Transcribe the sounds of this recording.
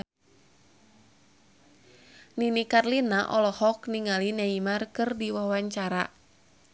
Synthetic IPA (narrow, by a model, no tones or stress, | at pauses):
ninikarlinaʔɔlɔhɔkniŋalinaimarkɨrdiwawaɲt͡ʃaɾa